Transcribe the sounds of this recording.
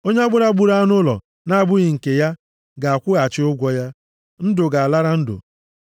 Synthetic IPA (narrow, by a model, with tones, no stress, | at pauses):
o˦ɲe˦a˦ɡ͡bʊ˦ɾa˦ɡ͡bu˦ɾa˦a˦nʊ˦lɔ̰˨ | na˦a˨bʊ˦ɣɪ˨ŋ̩˨ke˨ja˦ | ɡa˨a˨kʷʊ˦ɣa˨t͡ʃɪ˦ʊ˦ɡʷɔ˦ja˦ | n̩˦dʊ˨ɡa˨a˨la˦ɾa˦n̩˦dʊ̰˨